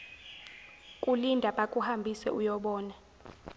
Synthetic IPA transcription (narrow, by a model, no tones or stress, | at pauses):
kʼulindʱaɓʼakʼuhambʱisɛ̰ujɔɓɔːna